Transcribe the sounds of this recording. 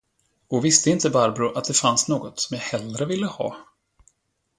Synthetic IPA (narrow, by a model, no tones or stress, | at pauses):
ɔvɪst̪əɪnt̪əbaɾbɾʊʔat̪̚d̪ɛfansnoːɡɔt̪sɔmjahɛlɾəvɪlːəhɑ̰ː